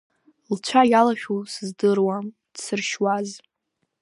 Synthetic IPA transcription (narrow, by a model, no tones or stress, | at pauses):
lt͡ʃʷʰajalaʃᶣusɨzdɨrwam | d̥sɨrʃwaz